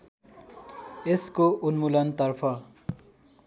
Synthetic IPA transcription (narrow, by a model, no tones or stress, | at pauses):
eskoʔunmulʌnt̪ʌrpʰʌ